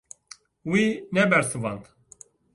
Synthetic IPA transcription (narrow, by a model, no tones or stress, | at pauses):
winɛbɛɾsɨvɑnt̪